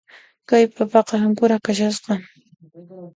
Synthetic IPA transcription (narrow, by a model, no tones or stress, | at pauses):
kajpapɑqɑaŋkʊɾakaʃasqɑŋ